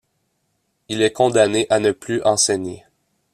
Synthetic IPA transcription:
ilɛkɔ̃d̪aneʔanəplyʔɑ̃sɛɲḛ

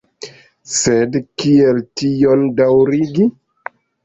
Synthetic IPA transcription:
sedkieltiondawɾiɡi

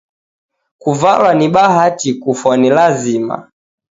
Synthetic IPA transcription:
kuva̰lwaniɓaɦatikufɔnilazima̰

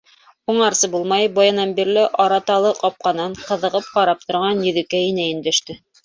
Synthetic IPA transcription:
uɴɑɾsɤbulˠmɑjbɑjɤ̆nɑnbiɾlɘʔɑɾɑt̪ɑlˠɤqɑp̚qɑnɤɴqɤ̆ðɤ̆ʁɤp̚qɑɾɑp̚t̪ŏɾʁɑnjɵ̆ðɘ̆kæinæɘ̆nd̪æʃt̪ɘ

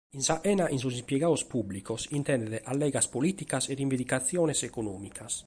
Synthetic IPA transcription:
insaʔɛnaʔins̬usimpjɛɡaospublikosint̪ɛnd̪ɛɾeʔalːɛːɡaspolit̪ikasɛd̪iɱved̪ikat̪sːjɔːnɛsɛkonɔːmikʰas

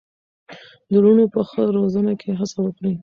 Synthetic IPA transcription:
d̪əɾunopəxəɾozənakʰeɦasawəkɽi

